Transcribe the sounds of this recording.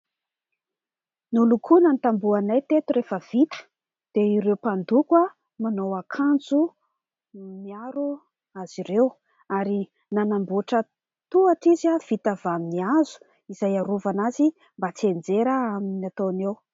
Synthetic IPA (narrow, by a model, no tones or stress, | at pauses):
nulukʰunanit̪ambuanajt̪et̪uɾefəv̥it̪ə̥ | d̪̥eiɾewpand̪ukwa | manowakʰand͡zu | miaɾu | az̥iɾew | aɾi | nanambuʈ͡ʂə | t̪uaʈ͡ʂizav̥it̪avaminiazu̥ | izajaɾuvanazi | mbat͡siend͡zeɾəaminat̪onew